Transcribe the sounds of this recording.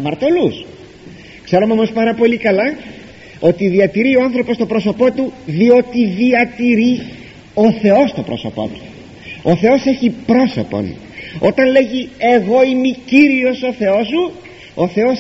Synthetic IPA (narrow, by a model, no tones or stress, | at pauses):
mɐɾt̪o̞lus | kse̞ɾomeomo̞spɐɾɐpo̞likɐlɐ | o̞t̪iðiɐt̪iɾioɐnθɾo̞post̪o̞bɾo̞so̞po̞t̪uðio̞t̪iðiɐt̪iɾi | o̞θe̞o̞st̪o̞pɾo̞̰so̞̰po̞̰t̪u̥ | o̞θe̞o̞se̞çipɾo̞so̰po̞̰n | o̞̰t̪ɐnle̞ʝie̞ɣo̞imiciɾio̞so̞θe̞o̞su | o̞θe̞o̞s